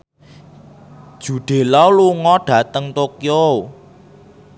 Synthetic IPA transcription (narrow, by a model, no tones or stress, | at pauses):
d̥ʒ̥ṳɖ̥e̤lɔwluŋɔɖ̥ä̤t̪əŋt̪okjo